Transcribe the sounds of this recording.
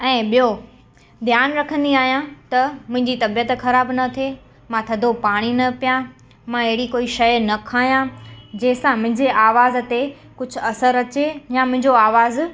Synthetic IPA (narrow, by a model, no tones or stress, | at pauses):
ɛ̃ːɓijo | d̪ʱjaːnɾɐkʰə̃nd̪iaːɦijãt̪ɐmʊ̃ɦɪ̃ɲd͡ʑit̪ɐbijət̪xɐɾaːbnɐt̪ʰe | mãt̪ʰɐd̪ʱopaːɽ̃inɐpijã | mãɪɦɪɽikoːiʃɐjnɐkʰaːɦijãd͡ʑeːɪsãmʊ̃ɦɪ̃ɲd͡ʑeʔaːʋaːzt̪e | kʊd͡ʑʱʊ̆ɐsəɾɐt͡ɕejãmʊ̃ɦɪ̃ɲd͡ʑoaːʋaːz